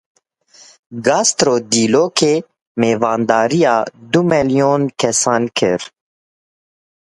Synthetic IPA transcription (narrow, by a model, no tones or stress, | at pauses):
ɡɑːst̪ɾoːd̪iːloːkʰeː | meːvɑːnd̪ɑːɾijɑːd̪umɛlijoːnkʰɛsɑːnkʰɨɾ